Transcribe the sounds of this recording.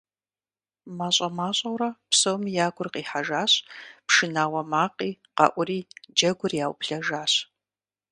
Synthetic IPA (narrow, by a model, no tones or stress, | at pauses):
maːɕʼɐmaːɕʼɐwɾɐpsowmijaːɡʷʊrqiːħaʒaːɕpʂɨnaːwɐmaːqʼiː | qɑ̰ʔʷʊɾiːd͡ʒɐɡʷʊrjaːwpɬɐʒaːɕ